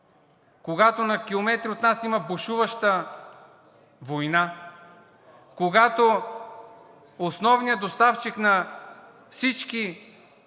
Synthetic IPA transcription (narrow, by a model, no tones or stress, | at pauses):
koɡat̪onɐkʲilˠomɛt̪ɾiot̪nasimɐboʃuvɐʃt̪ə | vojna | koɡat̪o | osnɔvnijəd̪ost̪aft͡ʃiknɐ | fsit͡ʃki